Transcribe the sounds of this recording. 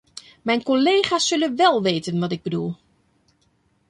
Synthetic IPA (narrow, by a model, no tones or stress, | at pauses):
mɛjnkoleːχasːølənʋɛlˠʋeːtənʋɔtɪɡ̚bədulˠ